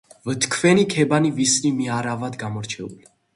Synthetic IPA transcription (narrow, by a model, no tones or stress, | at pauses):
vət̪ʰkʰvɛnikʰɛbanivisnimiaɾavad̪ɡamɔɾt͡ʃʰɛṵlɛ